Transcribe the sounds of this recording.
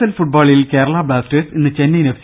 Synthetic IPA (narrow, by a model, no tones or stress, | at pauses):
ɐlfuʈ̚baːɭilke̞ːɾɐɭaːbɭaːsteːsinːɨt͡ɕenːijne